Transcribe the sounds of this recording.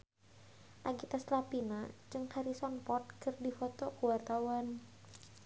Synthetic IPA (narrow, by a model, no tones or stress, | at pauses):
ʔaɡit̪aslapinad͡ʒɨŋhaɾisɔnpɔt̪̚kɨrdifɔt̪ɔkuwart̪awan